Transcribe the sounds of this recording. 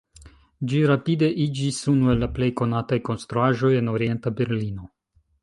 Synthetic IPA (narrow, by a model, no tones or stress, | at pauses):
d͡ʒiɾapide̞ʔid͡ʒisunue̞lːaple̞jko̞natajko̞nst̪ɾuaʒo̞je̞no̞ɾie̞ntabe̞ɾlino̞